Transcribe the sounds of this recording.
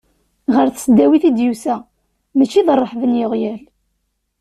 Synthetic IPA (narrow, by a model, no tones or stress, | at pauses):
ʁəɾθsəd̪ːæwiθid̪jusæ | mət͡ʃːiðərˤːəħvənjoʁjæl